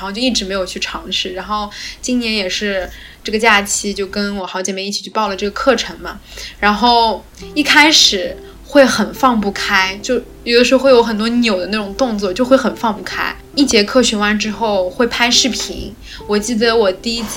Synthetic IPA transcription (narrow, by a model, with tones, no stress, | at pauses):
t͡ɕo˥˧i˥˩ʈ͡ʂɻ̩˧˥me˧˥ɪjo˨˩ʊt͡ɕʰy˥˩ʈ͡ʂʰɑ˧˥ŋʂɻ̩˥˩ɻa˧˥nxo˥˩ʊt͡ɕi˥nnjɛ˧˥njɛ˨˩ʂɻ̩˥˧ | ʈ͡ʂɤ˥˩ɡə˩t͡ɕja˥˩t͡ɕʰi˥t͡ɕjo˥˩ʊkə˥nwɔ˨˩xɑ˧˥ʊt͡ɕɛ˨˩mɛ˧˥˦i˥˩t͡ɕʰi˨˩t͡ɕʰpɑ˥˩ʊlə˩ʈ͡ʂɤ˥˩ɡə˩kʰɤ˥˩ʈ͡ʂʰɤ˧˥ŋmɐ˧ɻa˧˥nxo˥˩ʊ | i˥˩kʰa˥ɪʂɻ̩˨˩˦ | xwe˥˩ɪxə˨˩nfɑ˥˧ŋpu˥˩kʰa˥ɪt͡ɕjo˥˩ʊjo˨˩d̪ə˦ʂɻ̩˧˥xwe˥˩jo˧˥xə˨˩nt̪wɔ˥njo˨˩ʊd̪ə˦a˥˩ʈ͡ʂʊ˨˩ŋt̪ʊ˥˧ŋt͡swɔ˥˩t͡ɕjo˥˧ʊxwe˥˩xə˨˩nfɑ˥˧ŋpu˥˩kʰa̰˥ɪ | i˥˩t͡ɕjɛ˧˥kʰɤ˥˩ɕɥɛ˧˥wa˧˥nʈ͡ʂɻ̩˥xo˥˩ʊxwe˥˩ɪpʰa˥ɪʂɻ̩˥˩pʰḭ˧˥ŋ | wɔ˨˩t͡ɕi˥˩d̪ə˩wɔ˨˩t̪i˥˧i˥t͡s